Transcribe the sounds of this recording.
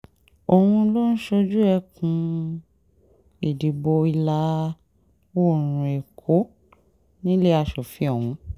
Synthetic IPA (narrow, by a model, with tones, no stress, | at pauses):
o˨wũ˧lo˦n̩˦ʃo˧d͡ʒu˦ɛ˧kũ˧ | e˨di˨bo˧i˧la˨˦ | wo˦˨ɾ̃ũ˧e˨kʰo˨˦ | nĩ˦le˦a˧ʃo˨fi˨˦ɔ˨w̃ũ˨˧˦